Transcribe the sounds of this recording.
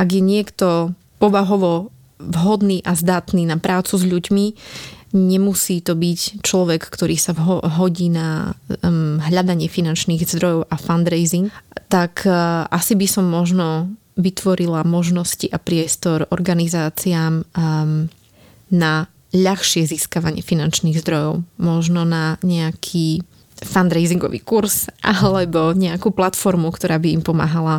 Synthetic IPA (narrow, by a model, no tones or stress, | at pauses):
ʔaɡjɛɲɪɛkt̪ɔ | pɔʋaɦɔʋɔ | vɦɔd̪niːʔazd̪at̪niːnapɾaːt͡suzʎuɟmi | ɲɛmusiːt̪ɔbict͡ʃlɔʋɛkːt̪ɔɾʔiːsaɦɔɟiːna | ɦʎad̪aɲɪɛfinant͡ʃniːɣzd̪ɾɔjɔʊʔafand̪ɾɛjziŋɡt̪akʔasibisɔmːɔʒnɔ | ʋit̪ʋɔɾilamɔʒnɔsciʔapɾɪɛst̪ɔɾɔɾɡanizaːt͡siam | na | ʎaxʃɪɛziskaʋaɲɪɛfinant͡ʃniɣzd̪ɾɔjɔʊmɔʒnɔnaɲɛakʰiː | fand̪ɾɛɪziŋɡɔ̰ʋḭːkuɾzʔalɛbɔɲɛakuːplat̪fɔɾmukt̪ɔɾaːbiimpɔma̰ːɦala